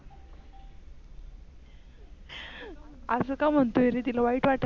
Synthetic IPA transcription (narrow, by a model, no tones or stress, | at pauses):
əsəːkam̤əɳt̪oeɾit̪̬ilaʋaiːʈʋaʈ